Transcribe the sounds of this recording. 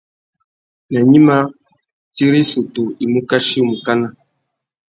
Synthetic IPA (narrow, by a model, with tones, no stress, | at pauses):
na˨ɲi˦ma˦ | ti˦ɾi˦su˨to˨i˨mu˦ka˦ʃi˦u˦mu˨ka˦na˦˨